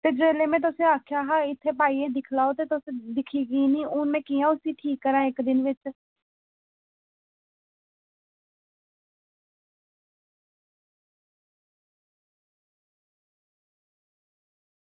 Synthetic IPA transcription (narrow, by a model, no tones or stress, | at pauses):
t̪eːd͡ʒeːleːmɛ̃ːt̪̬ʊsẽːaːkʰjaːɦaːɪt̪ʰːeːpaːiːẽːd̪ɪkʰlaːoːt̪eːt̪ʊsẽd̪ɪkʰiːɡiːnĩːʊnmɛ̃ːkiːãːʊsiːʈʰiːkːəɾãːɪkd̪ɪnʋɪt͡ʃ